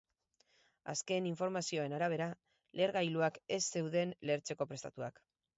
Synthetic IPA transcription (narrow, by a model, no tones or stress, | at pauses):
a̰ske̞niɱfo̞ɾmasio̞e̞naɾaβ̞e̞ɾa | le̞ɾɣajluake̞sːe̞wðe̞nle̞ɾt͡se̞ko̞pɾe̞st̪a̰t̪ua̰k